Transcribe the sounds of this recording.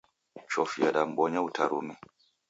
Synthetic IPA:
t͡ʃɔfiaɗam̩bɔɲautʰa̰ɾṵmɛ

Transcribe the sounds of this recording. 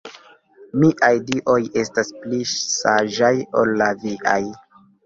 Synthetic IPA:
miʔajdiʔo̞je̞stasplisaʒajo̞̰lːaviʔaj

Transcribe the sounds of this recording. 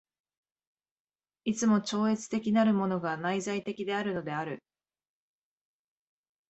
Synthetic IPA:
it͡sɨmo̞t͡ɕo̞ːe̞t͡sɨ̥t̪e̞kʲinaɾɯ̟mo̞no̞ɡanaizait̪e̞kʲid̪e̞aɾɯ̟no̞d̪e̞aɾɯ̟

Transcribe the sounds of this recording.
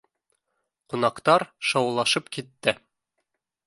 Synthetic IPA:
qunɑqt̪ɑɾʃɑwlˠɑʃɤpkit̪ːɘ

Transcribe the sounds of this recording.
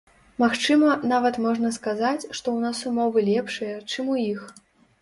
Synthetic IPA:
maxt͡ʂɨmɐnavɐt̪mɔʐnɐskazat͡sʲʂt̪ɔwnasumɔvɨlʲɛpʂɨjɐt͡ʂɨmujix

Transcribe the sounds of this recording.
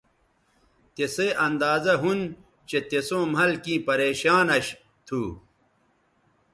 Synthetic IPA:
t̪eseʔɐnd̪aːzɐɦun | t͡ɕet̪esõːmɐlkĩːpɐɾeːɕaːnɐɕ | t̪ʰuː

